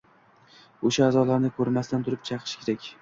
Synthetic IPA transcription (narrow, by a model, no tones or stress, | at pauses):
oʃaːzɒlaɾnɪkʰɵɾmast̪ant̪ʰʊɾɪp̚t͡ʃʰɑqʰɨ̥ʃkʲʰeɾakʲ